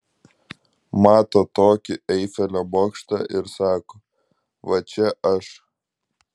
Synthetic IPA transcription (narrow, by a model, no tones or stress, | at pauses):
mɑːt̪oːt̪oːkʲɪɛɪfʲɛlʲoboːkʃt̪ɑ̰ːʔɪɾsɑːkoː | ʋɐt͡ʃʲɛʔɐʃ